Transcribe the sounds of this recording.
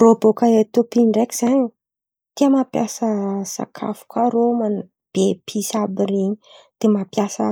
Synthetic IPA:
robokaet̪opiɳɖ͡ʐeki̥z̥aɲ | t̪iəmapjasəz̥a̰kʰa̰fu̥kaɾoman | b̥epʰisabireɲid̪̥emapjasə̰

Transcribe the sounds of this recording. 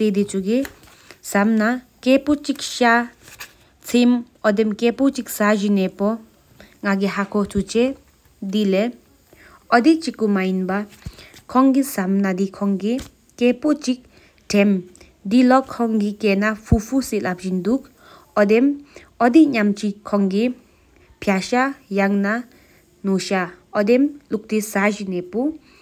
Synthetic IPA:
t̪ed̪it͡suɡe | samna | kepɔt͡ʃik̚ʃa | t͡sʰem | ɔd̪emkepot͡ʃik̚saʒinɛpɔ | ŋaɡeɦakʰɔt͡sut͡ʃɛ | d̪ile | ɔd̪iʔt͡ʃikːumainbakʰɔŋɡisamnad̪ikʰɔŋɡi | kɛpɔt͡ʃik̚ | ʈʰɛm | d̪ilɔkʰːɔŋɡikɛnapʰupʰusilap̚d͡ʒind̪uk̚ | ɔd̪em | ɔd̪iʔɲamt͡ʃikʰɔŋɡi | pʰjaʃajaŋna | nuʃaɔd̪emluk̚t̪isaʒinɛpu

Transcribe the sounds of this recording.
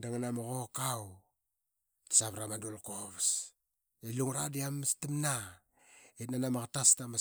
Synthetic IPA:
daŋanamoɣokaw | tḁsaβɾamaduolkoβs | eluŋɾadiamstimna | etnanamakatastama

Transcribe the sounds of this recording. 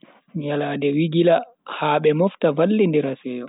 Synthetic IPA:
jalaːdɛwiɡila | haɓɛmɔftavalːindɛɾasɛːjɔ

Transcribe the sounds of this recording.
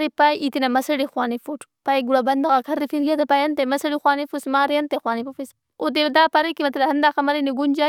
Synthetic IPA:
ɾipajʔit̪inamɐsɐɽixwaːnifuʈ | pajɡuɽabɐnd̪aɣakʰɐɾːifiɾɡʲat̪apajɐnt̪amɐsɐɽixwaːnifusmaːɾjɐnt̪axwaːnipɐfis | od̪ed̪aːpɐɾɐkimɐt̪lahɐnd̪aːxɐmɐɾiniɡund͡ʒa

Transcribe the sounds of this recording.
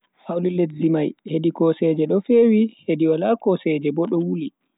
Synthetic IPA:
hawliletzimajheɗikɔsɛd͡ʒɛɗɔfewihediwalakɔsɛd͡ʒɛbɔɗɔwuli

